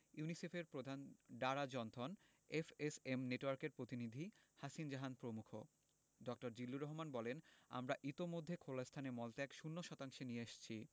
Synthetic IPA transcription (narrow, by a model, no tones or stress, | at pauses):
junisefeɾpɾod̪ʱanɖaɾad͡ʑɔnt̪ʰɔn | efesemneʈwaɾkeɾpɾot̪inid̪ʱi | haʃind͡ʑaɦanpɾomukʰo̰ | ɖɔk̚ʈoɾd͡ʑilːuɾɔɦomanbɔlena̰mɾaʔit̪omod̪ʱːekʰolast̪ʰanemɔlt̪eɛkʃunːoʃɔt̪aŋʃenieaʃt͡ɕʰi